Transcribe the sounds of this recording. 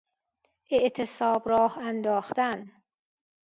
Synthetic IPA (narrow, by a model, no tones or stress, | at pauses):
ʔeʔt̪ʰesɒːbɾɒːhænd̪ɒːxt̪æn